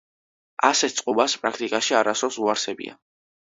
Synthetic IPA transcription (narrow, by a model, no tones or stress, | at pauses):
asɛt̪ʰt̪sʼqʼubaspʼɾakʰt̪ʼikʼaʃiaɾasɔsuaɾsɛbḭa̰